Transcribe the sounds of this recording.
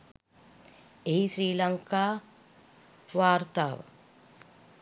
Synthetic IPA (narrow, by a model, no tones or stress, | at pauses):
eɦiʃɾiːlɐŋkaː | ʋaːɾt̪aːʋɐ̰